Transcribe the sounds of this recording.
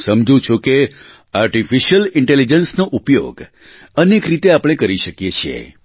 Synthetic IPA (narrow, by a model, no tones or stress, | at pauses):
səmd͡ʒũt͡ʃʰuke | aɾʈifiʃəlɪɳʈelid͡ʒənsnoʔupjo̰ɡ | ənekɾit̪eapɽ̃ekəɾiʃəkjet͡ʃʰijḛ